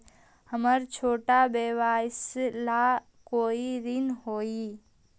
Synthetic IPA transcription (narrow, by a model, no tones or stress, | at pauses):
həməɾt͡ʃʰoːʈabeːwaːɪsla | koːiɾɪnɦoːi